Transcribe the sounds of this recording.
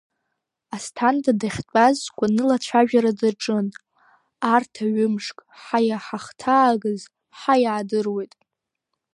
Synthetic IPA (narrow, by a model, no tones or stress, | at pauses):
astʰandadaχʲtʷʼazɡʷanɨlat͡ɕʷʰaʒᶣaɾadaʈ͡ʂʼɨn | artʰaɥʊmʂkʼħajaħaχtʰaːɡɨz | ħajaːdɨrwe̞jtʼ